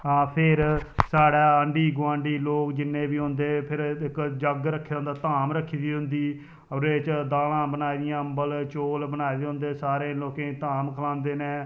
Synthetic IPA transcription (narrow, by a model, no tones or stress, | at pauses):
aːpʰɪɾsaːɽaːəɳɖiːɡʊʋãːɳɖiːloːkd͡ʒɪnːẽːbiːɦõːnd̪eːpʰɪɾɪkd͡ʒəɡɾəkʰːejaɦʊ̃nd̪aːt̪aːmɾəkʰːiːd̪iːɦʊnd̪iː | əɾeːt͡ʃd̪aːlãːbənaːid̪ɪjãːəmbəlt͡ʃoːlbənaːiːd̪eːɦʊ̃nd̪eːsaːɾẽːloːkẽːt̪aːmkʰəlãːnd̪eːnẽː